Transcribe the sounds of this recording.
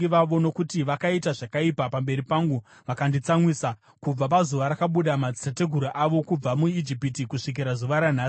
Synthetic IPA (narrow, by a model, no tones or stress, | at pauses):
iʋaʋo̞no̞kutiʋakaitaʐakaipapambe̞ɾipaːŋɡu | ʋakandit͡samwisa | kub͡vapazuʋaɾakaɓuɗamad͡zitate̞ɡʱuɾaʔaʋo̞kub͡vamuid͡ʒipitikuʂik̬iɾazuʋaɾan̤aː